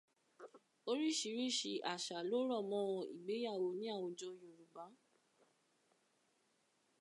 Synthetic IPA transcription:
o˦ɾi˦˨ʃi˨˦ɾi˦˨ʃi˧ʔa˨ʃa˨lo˨˦ɾɔ˦˨mɔ̃˦˧ḭ˨ɡ͡be˨˦ja˦˨wo˧nĩ˦a˦˨wõ˧d͡ʒo˧jo˨ɾu˨ɡ͡ba˨˦

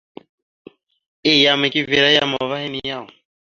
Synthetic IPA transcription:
ɪ˦˨ja˨mɛ˨kʼɪ˦vɛ˨ɾa˦ja˦˨mɔ˨va˦hɛ˦ni˦ja˦˨ʊ˨

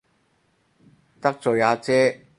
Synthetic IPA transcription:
t̪ɐ˥k̚t͡sɔː˨˩jaː˨˧t͡sɛː˦˥

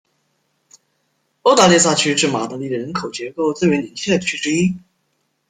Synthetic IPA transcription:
o˥ʊt̪a˥˧li˥˧s̬a˥˧˩t͡ɕʰy˥ʈ͡ʂɻ̩˥˩ma˨˩t̪ɤ˧˥li˥˩ɻə˧˥nkʰo˨˩ʊt͡ɕjɛ˧˥ko˥˧ʊt͡s̩˥˩ɥɛ˧˥ni˧˥nt͡ɕʰjɛ˥˩d̪ə˩t͡ɕʰy̥˥ʈ͡ʂɻ̩˥i˥

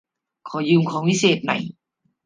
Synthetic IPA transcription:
kʰɔː˩˦jɯː˧mkʰɔː˩˦ŋwi˦˥seː˨˩t̪̚na̰˨˦j

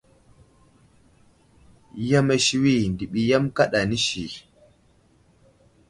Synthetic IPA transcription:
ja˦me˦ʃi˦wi˦˨ndi˨ɓi˨ja˦mka˦ɗa˨ni˦ʃi˨

